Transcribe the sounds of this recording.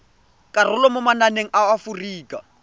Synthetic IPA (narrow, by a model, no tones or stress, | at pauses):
kʼarʊlɔmʊmananeŋ̩ʔawafuriːkʼa̰